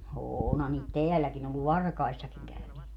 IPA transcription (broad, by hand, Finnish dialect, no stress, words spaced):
oːnhɑ niːt teælːækin olːu ʋɑrkɑisːɑkiŋ kæyneːt